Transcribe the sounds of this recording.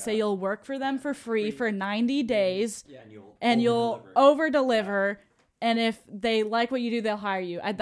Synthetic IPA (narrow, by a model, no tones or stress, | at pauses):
seɪjulˠwɜ˞kfə˞ðɨ̃ɱfə˞fɹifə˞nãɪ̃ntideɪzʔɨ̃njulˠoʊvə˞dəlɪvə˞ | ɨ̃nɪfðeɪlaɪkwʌt͡ʃɨdɨðeɪlˠɦaɪə˞jʉʔa̰ɪð